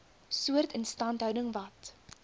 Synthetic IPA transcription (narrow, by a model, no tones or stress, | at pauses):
suərtənstɐntɦœwdəŋvɐt